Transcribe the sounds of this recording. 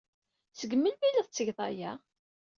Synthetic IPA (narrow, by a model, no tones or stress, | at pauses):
səɡəmːəlmiləðˤt͡sːəʝðˤɑ̰jæ